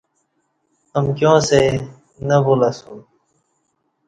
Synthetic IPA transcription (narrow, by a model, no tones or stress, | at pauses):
əmkjõːse | nəboːlasũː